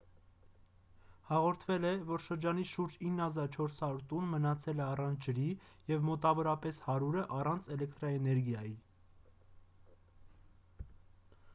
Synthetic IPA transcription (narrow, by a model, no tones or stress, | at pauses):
hɑʁɔɾt̪ʰvɛlɛvɔɾʃəɾd͡ʒɑniʃuɾd͡ʒinːhɑzɑɾt͡ʃʰɔɾshɑɾuɾt̪unmənɑt͡sʰɛlɛɑrɑnt͡sʰd͡ʒəɾijɛvmɔt̪ɑvɔɾɑpɛshɑɾuɾəʔɑrɑnt͡sʰɛlɛkt̪ɾɑɛnɛɾɡjɑji